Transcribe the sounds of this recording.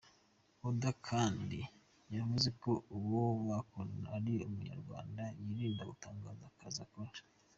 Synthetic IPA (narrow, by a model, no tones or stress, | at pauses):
udakʰaːndi | javuze̞kouwowakonaɾiumuɲa̰ɾɡwa̰ːndajiɾiːndaɡutaːŋɡaːzakazakoɾa